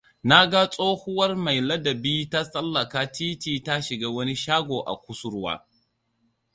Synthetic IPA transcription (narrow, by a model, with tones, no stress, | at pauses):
na˦ɡa˦sʼoː˦hʊ˦wɐ˦rma˨jlɐ˦dɐ˨biː˦ta˦sʼɐ˦lːɐ˨kaː˦tiː˦tiː˦ta˦ʃɪ˨ɡaː˦wɐ˦ni˦ʃaː˦ɡʷoː˨ʔa̰˨kʷʊ˦sʊ˦ɾwa̰ː˦